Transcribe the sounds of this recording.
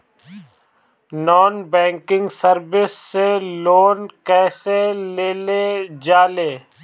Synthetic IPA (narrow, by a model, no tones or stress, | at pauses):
nɔːnbɛ̃ːŋkɪ̃ŋɡsəɾbɪsːeloːnkɛːseleːled͡ʒaːleː